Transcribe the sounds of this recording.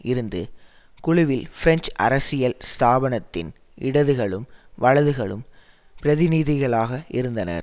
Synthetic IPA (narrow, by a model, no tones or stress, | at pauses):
ɪɾɯnd̪ɯ̰ | kʊɻʊʋɪlfɪɾɛɲt͡ʃʔɐ̰ɾɐsɪjɐlst̪aːʋɐɳɐt̪ːɪn | ʔɪ̰ɽɐðɯɣɐɭɯmʋɐɭɐðɯɣɐɭɯ̰m | pɪɾɐðɪniːðɪɣɐɭaːɣɐʔɪɾɯnd̪ɐnɐ̰ɾ